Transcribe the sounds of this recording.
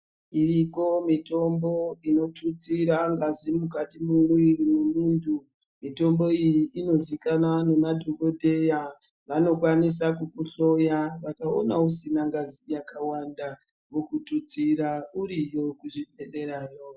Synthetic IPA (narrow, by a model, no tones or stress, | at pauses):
iriko̞mito̞mbo̞ino̞tut͡siɾaŋɡazimukatimunuirimumuːntʰu | mito̞mbo̞ijiːno̞zikanane̞madʱoko̞dʱeja | ʋano̞kwanis̬akukuɬo̞jaʋakaonausinaŋɡazijakawanda | mukutut͡siɾauɾijo̞kuʐiɓeɗe̞ɾaːjo